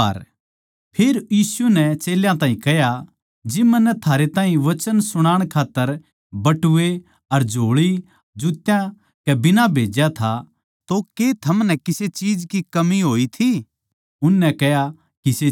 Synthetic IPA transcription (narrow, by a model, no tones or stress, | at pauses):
ɐ̰ɾ | pʰeːɾjiːsunɛt͡ʃeːljãt̪ãːɦĩkɛɦja | d͡ʒɪmanːɛt̪ʰaːɾet̪ãːɦĩʋɐt͡ʃənsʊɽ̃aːɽ̃kʰaːt̪ːəɾ | bɐʈʊʋe | ɐɾd͡ʒʱoːɭi | d͡ʒut̪jã | kɛbɪnabʱeːd͡ʒjat̪ʰa | t̪oket̪ʰɐmnɛkɪset͡ʃiːd͡ʒkikɐmiɦoːit̪ʰi | ʊnːɛkɛja | kise